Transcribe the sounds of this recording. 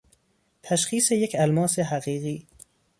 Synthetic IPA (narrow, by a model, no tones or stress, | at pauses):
t̪ʰæʃχiːsejecʰælmɒːseɦæɣiːɣiː